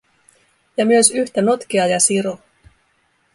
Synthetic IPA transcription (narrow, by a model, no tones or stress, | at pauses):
jɑmyøsyçt̪æno̞t̪k̟iɑjɑsiɾo